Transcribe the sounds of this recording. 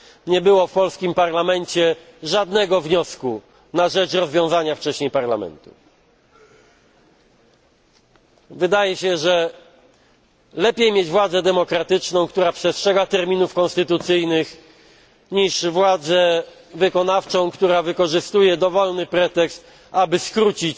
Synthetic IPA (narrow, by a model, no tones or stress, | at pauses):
ɲɛbɘwɔfpɔlskʲimpaɾlamɛɲt͡ɕɛ | ʐad̪nɛɡɔvɲɔsku | naʐɛt͡ʂɾɔzvʲjɔ̃w̃zaɲaft͡ʂɛɕɲejpaɾlamɛ̰nt̪u̥̰ | vɘd̪ajɛɕɛʐɛ | lɛpʲjejmʲjed͡ʑvwad̪zɛd̪ɛmɔkɾat̪ɘt͡ʂnɔ̃w̃kt̪uɾapʂɛstʂɛɡat̪ɛɾmʲinufkɔ̃nst̪ɘt̪ut̪sɘjnɘx | ɲiʂvwad̪zɛ | vɘkɔnaft͡ʂɔ̃w̃kt̪uɾavɘkɔʐɘst̪ujɛd̪ɔvɔlnɘpɾɛt̪ɛkst̪ | abɘskɾut͡ɕit͡ɕ